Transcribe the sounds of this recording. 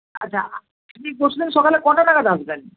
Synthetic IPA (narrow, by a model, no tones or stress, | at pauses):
a̰ːt͡ɕʰa̰ | apnik̚boʃʰud̪inʃɔkalekɔnanakad̪asben